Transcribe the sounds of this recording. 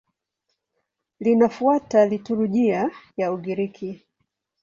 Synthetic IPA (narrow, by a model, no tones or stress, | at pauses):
linafuatalituɾuʄiajauɠiɾikʰi